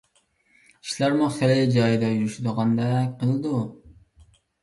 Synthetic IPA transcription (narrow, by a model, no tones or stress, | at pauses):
i̥ʃlæɾmʊχelɪd͡ʒɑjd̪ɑjyɾyʃud̪ɨʁɑnd̪ɑqʰəlˠɨd̪u